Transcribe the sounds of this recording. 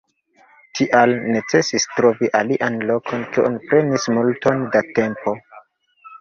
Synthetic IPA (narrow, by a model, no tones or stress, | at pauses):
tʰiʔalne̞t͡se̞sistɾo̞viʔaliʔanlo̞kʰo̞nkeʔonipɾe̞nismulto̞ndate̞mpo̞